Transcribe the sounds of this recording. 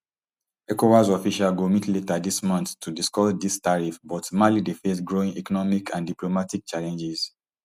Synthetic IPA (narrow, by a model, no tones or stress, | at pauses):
ɛkowazɔfiʃalɡomitletadismɔ̃ntːʰudiskɔsdistaɹifbɔtmalidefes̬ɡɹoĩŋɛkɔnɔmikʰãndiplomatik̚t͡ʃalɛ̃nd͡ʒiz̥